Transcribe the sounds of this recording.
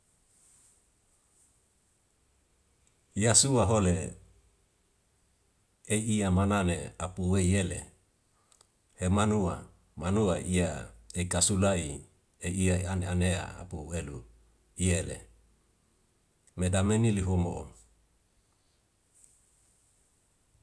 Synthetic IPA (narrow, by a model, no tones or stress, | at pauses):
jasuaɦole | eiːamananeapuweijelḛ | hemanua | manuaiaeikasulai | eiaianeanea̰a̰puwelu | ijelḛ | medameniliɦomoʔo̰